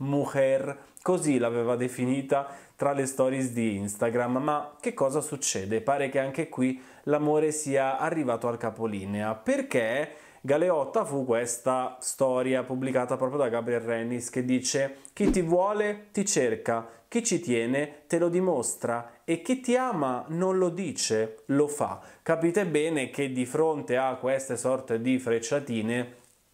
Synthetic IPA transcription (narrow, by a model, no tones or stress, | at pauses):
muxɛr | kozilavɛːvad̪efiniːt̪at̪ɾalest̪ɔːɾjisd̪iinst̪aɡɾamːak̟ːekːɔːzasut͡ʃːɛːd̪epaːɾekeaŋkekwi | lamoːɾesiːaarːivaːt̪oalkapoliːneaperke | ɡaleɔt̪ːafukːwest̪ast̪ɔːɾjapublikaːt̪apɾɔːpɾjod̪aɡabɾiɛlrɛnːisk̟ed̪ːiːt͡ʃek̟it̪ːivwɔːlet̪it͡ʃerkak̟it͡ʃːit̪jɛːnet̪elod̪imost̪ɾaek̟ːit̪ːiaːmanonlod̪iːt͡ʃelofa̰kːapiːt̪ebɛːnek̟ed̪ifɾont̪eakːwest̪esɔrt̪ed̪ifɾet͡ʃːat̪iːne